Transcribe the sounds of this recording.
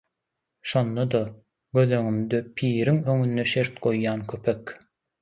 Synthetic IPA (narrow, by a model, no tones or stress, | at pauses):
ʃo̞nd̪ɑd̪ɒ | ɡø̞ðø̞ŋymd̪øpʰiːɾiŋø̞ŋynːeʃeɾt̪ɡojːɑːnkʲʰøpʰek